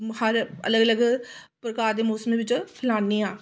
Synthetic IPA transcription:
həɾə̰ləɡələɡpɾəkaːɾd̪eːmoːsəmeːʋɪt͡ʃpʰɪlaːniːaː

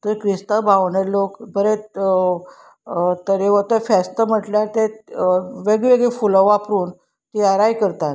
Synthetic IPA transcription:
t̪əɾkɾist̪əbʱaʋɳelokbʱəɾe | t̪əɾeʋət̪əfɛst̪əm̤əʈljaɾt̪e | ʋeɡʋeɡefuləʋapɾuːn | t̪iaɾajkəɾt̪at̪

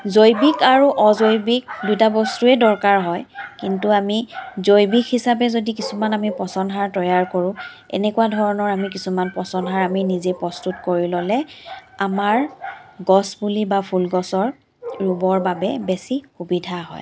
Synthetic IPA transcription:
zojbikaɹuʔɔzojbik̚dutabɔstuɛdɔɹkaɹɦɔjkintuamizojbikʰhisabɛzodik̬isumanamipɔsɔnɦaɹtɔjaɹkoɹʊ̃ | ɛ̰nɛkuwadʱɔɹɔnɔɹamik̬isumanpɔsɔnɦaɹaminizepɹɔstutkoɹilɔlɛamaɹɡɔsbulibapʰulɡɔsɔɹ | ɹubɔɹbabɛbesixubidʱaɦɔ̰j

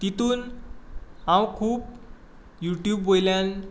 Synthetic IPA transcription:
t̪it̪uːn | ɦãwkʰuːp | juʈjuːbːojljan

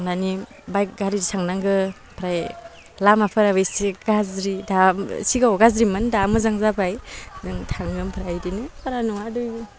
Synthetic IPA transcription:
ŋnani | bajk̚ɡaɾidsaŋnaŋɡɯ | pʰɾaj | lamapʰɯɾabɯjsiɡazɾidasiɡawɡazɾimandamɯzaŋzabajdɯŋtʰaŋɡɯmpʰɾajdinɯpʰaɾanuŋaduj

